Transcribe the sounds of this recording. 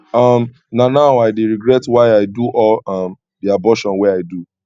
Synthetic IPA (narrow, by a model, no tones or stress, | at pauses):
ɔm | nanaʊaɪdeɹiɡɾɛtwaɪaɪduʔɔlɔm | diabɔʃɔ̃nwɛaɪdu